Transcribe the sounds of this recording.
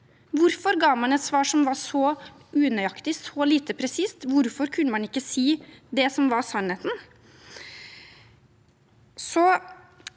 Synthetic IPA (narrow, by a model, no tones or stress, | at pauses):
ʋʊɾfɔɾɡɑːmɑnɛt̪sʋɑːʂɔmʋɑɾsɔ | ʔʉːnœʏɑkt̪ɪsɔliːt̪əpʰɾɛsiːst̪ʋʊɾfɔɾkʰʉnːəmɑnɪkːəsiːd̪ɛsɔmʋɑɾsɑnheːt̪n̩ | sɔ